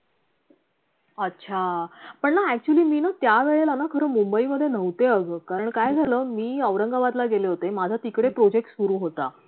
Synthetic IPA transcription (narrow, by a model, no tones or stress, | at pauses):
ətːɕʰapəɳnaæk̚t͡ɕuəliːmiːnat̪jaʋeɭelanakʰəɾəːmumbəiːməd̪ʱːjenəʋt̪eəɡəkaɾəɳkajd͡zʱaləːmiːəʋɾəŋɡaʋat̪laɡeleɦot̪emad͡zʱat̪ikɽepɾod͡ʑek̚ʈsuɾuːɦot̪a